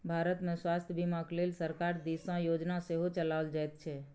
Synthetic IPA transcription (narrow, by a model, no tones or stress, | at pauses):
bʱaːɾət̪mẽswaːst̪ʰjəbʱimãkleːlsəɾkaːɾd̪isãjoːd͡ʒnaseɦot͡ʃəlaːəld͡ʒaɛt̪t͡ʃʰɛː